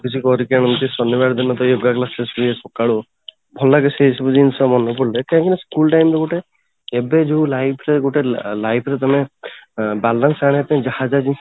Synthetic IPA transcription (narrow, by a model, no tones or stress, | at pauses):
kit͡ʃʰikɔɾikeɽ̃ɔmt̪isɔnːibaɽd̪inːɔt̪ɔjoɡaklasesiesɔkaɽu | bʱɔlaɡeseɦisɔbɔd͡ʒinsɔmɔnːɔpɔɽlekãkineskulʈajmɾeɡuʈeː | bed͡ʒeũlajpʰɾeɡuʈelajpʰɾet̪ɔme | balːansaɽ̃et̪ɔmd͡ʒahad͡ʒad͡ʒin